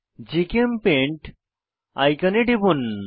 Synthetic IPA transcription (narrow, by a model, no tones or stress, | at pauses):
d͡ʑikempeɳʈ | ajkəneʈibun